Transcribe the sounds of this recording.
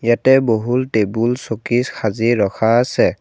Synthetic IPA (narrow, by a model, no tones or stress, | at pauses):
jatɛboɦultebulsokiskʰaziɹɔkʰaːsɛ